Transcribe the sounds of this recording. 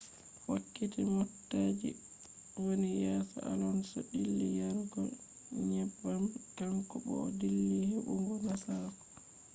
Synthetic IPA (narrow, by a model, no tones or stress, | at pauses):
wakːitimɔtːaːd͡ʒḭ | wonijɛːsɔa̰lɔnsɔɗilːijaɾɡɔ̰ | ɲɛbːamkamkɔɓɔ̰ːdilːihɛʔuŋɡɔnasakɔ̥